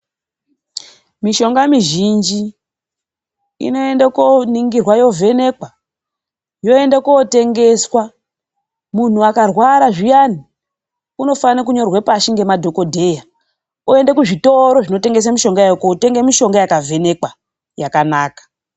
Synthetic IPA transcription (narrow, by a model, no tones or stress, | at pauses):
miʃo̞ŋɡamiʒind͡ʒi | ḭno̞e̞ndakoniŋɡirwajo̞ve̞ne̞kwa | jo̞e̞ndakoote̞ŋɡe̞swa | mun̤uakarwaɾaʐijani | uno̞fanak̬uɲo̞rwepaʃiŋɡe̞madʱo̞ko̞dʱe̞ja | ue̞ndekuʐito̞ɾo̞ʐino̞te̞ŋɡe̞s̬amiʃo̞ŋɡajajokote̞ŋɡemiʃo̞ŋɡajakavʱe̞ne̞kwa | jakanaːkḁ